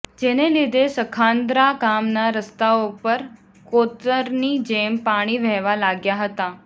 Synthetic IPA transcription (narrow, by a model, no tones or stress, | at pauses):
d͡ʑenelid̪ʱesəkʰãnd̪ɾakamnaɾəst̪aopəɾ | kot̪əɾniːd͡ʑempaɽ̃iːʋɛʋalaɡjaɦət̪a